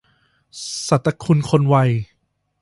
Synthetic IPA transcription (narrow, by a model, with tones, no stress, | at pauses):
sa˨˩t̪ːa˧kʰu˧nkʰo˧nwa˧j